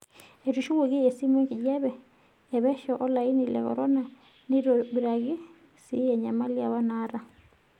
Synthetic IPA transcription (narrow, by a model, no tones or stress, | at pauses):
etuʃuɣoɣiesimeŋkiɟeβɛː | βɛʃoʔolainilḛko̰ɾona | niɾoβiɾaɣi | sieɲamaliaβanaɾa